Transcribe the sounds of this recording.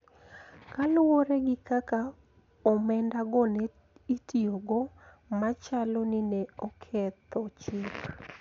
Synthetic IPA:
kalʊwɔɾɛɡɪkaka | ɔmɛndaɡɔnɛ | itioɡɔ | mat͡ʃalɔnɪnɛɔkʰɛt̪ɔt͡ʃɪk

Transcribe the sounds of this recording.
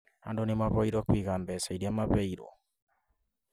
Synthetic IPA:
ha̰ndonimaβɔiɾokwikambɛsaiɾiamapɛiɾo̰

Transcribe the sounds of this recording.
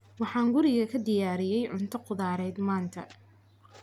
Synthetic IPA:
wɑħɑːŋɡʊɾɪɣɐkʰɐd̪ɪjaːɾɪjɛjʕʊnt̪ʰɐqʊðaːɾɛːd̪maːnt̪ʰɐ̰

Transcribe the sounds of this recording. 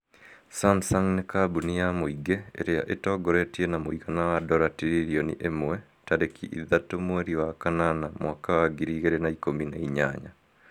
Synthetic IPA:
sansaŋnekabunijamuiɡeḛɾeja̰ʔetoɡoɾetienamuikanawadoɾatiɾiɾionḭʔemwe | taɾekiʔiðatomweɾiwakananamwakawaɡiɾiːɣeɾenaikomineiɲa̰ːɲa

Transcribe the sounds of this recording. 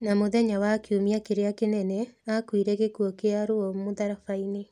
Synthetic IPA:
namoðɛɲawakeumiakeɾeakenɛnɛakwiɾɛɣekuɔkeaɾoɔmoðaɾafaine

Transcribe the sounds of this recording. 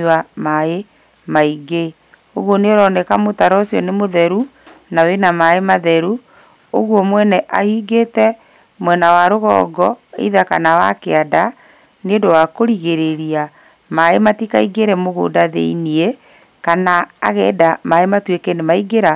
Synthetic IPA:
amae | maiɡe | oɣwɔneoɾɔnɛkamotaɾɔsjɔnemoðɛɾunawenamaemaðɛɾu | oɣwɔmwɛnɛʔahiɡetɛ | mwɛnawaɾoɣɔ̰ːɡɔḛiðakanawakeada | neodowakoɾiɣeɾeɾia | maematikaiɡeɾɛmoɣo̰daðḛiniɛ | kana̰ːɣɛːdamaematwekenemaiɡeɾa

